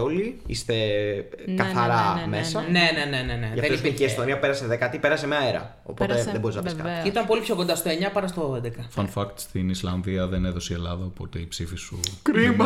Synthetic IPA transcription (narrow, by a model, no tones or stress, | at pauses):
oliḭst̪e̞ | kɐθɐɾɐme̞sɐne̞ne̞ne̞ne̞ne̞ðɐfðenoisiikiest̪oniɐpeɾɐseðekɐt̪ipe̞ɾɐsemeɐeɾɐ̰ | o̞̰po̞t̪eðebo̞ɾiznɐpiskɐ̰tiit̪ɐmpo̞lipço̞kond̪ɐst̪o̞e̞ɲɐpɐɾɐst̪oed̪ekɐfɐnfɐkt̪st̪inislɐnðiɐðeneðo̞sielɐðɐopo̞t̪e̞ipsifisukɾimɐ